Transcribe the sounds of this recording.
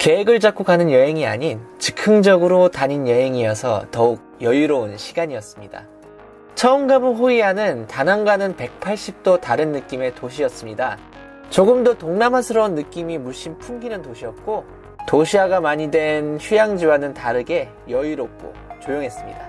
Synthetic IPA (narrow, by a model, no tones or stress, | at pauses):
ke̞ɦeɡɯɭt͡ɕak͈okanɯnjʌɦe̞ŋiaɲint͡ɕɯ̥kʰɯŋd͡ʑʌɡɯɾotaɲinjʌɦe̞ŋijʌsʰʌ̰tʌuk̚jʌjuɾounɕʰiɡaɲiʌs͈ɯmɲida̰ | t͡ɕʰʌoŋɡabuɦoianɯntanɦanɡwanɯnpe̞k̚pʰaɭɕ͈ip̚t͈otaɾɯnːɯk͈ime̞toɕ̬ʰiʌs͈ɯmɲida | t͡ɕoɡɯmdotoŋnamasʰɯɾʌunːɯk͈imimuɭɕ͈impʰuŋɡinɯntoɕʰiʌp̚k͈o | toɕʰiaɡamaɲidwe̞nçujaŋd͡ʑiwanɯntaɾɯɡe̞ | jʌjuɾop̚k͈o̰t͡ɕojoŋɦe̞s͈ɯmɲḭda